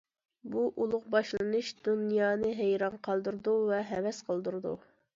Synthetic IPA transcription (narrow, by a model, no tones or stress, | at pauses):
buʔulˠʊqbɑʃlˠɨnuʃd̪̥unjɑːnɨɦejɾɑnqʰɑlˠd̪uɾd̪uvɛɦɛvɛsqʰəlˠd̪uɾɨd̪ṵ